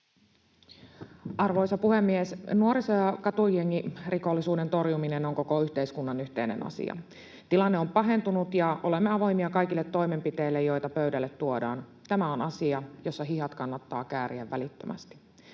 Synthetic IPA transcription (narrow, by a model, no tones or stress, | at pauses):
ʔɑrʋo̞jsɑpuhemːiesnuoɾisojɑkɑt̪ujeŋːiriko̞lːisuːde̞nt̪o̞rjuminenoŋko̞koyht̪e̞iskunːɑnyçt̪e̞inḛnɑ̰sḭɑ̰ | t̪ilɑnːeo̞mpɑɦe̞nt̪unut̪jɑo̞lemːeɑʋo̞jmiɑkɑjk̟ilːet̪ːo̞jme̞mpit̪eilːejo̞jt̪ɑpøydælːet̪ːuodɑ̰ːnt̪æmæonɑsiɑjo̞sːɑɦiɦɑt̪kɑnːɑt̪ːɑ̰ːkæːɾiæʋːælit̪ːømæ̰st̪i̥